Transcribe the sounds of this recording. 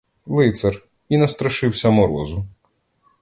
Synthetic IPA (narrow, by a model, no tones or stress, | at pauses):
lˠɪt̪sɐr | inɐst̪ɾɐʃɪwsʲɐmɔɾɔzʊ